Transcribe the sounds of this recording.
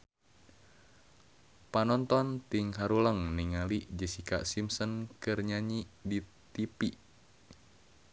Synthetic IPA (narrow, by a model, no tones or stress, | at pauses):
panɔnt̪ɔnt̪iŋɦaɾuləŋniŋaliʔd͡ʒəsika̰ʔsimsɔnkɨrɲaɲidi | t̪ipiʔ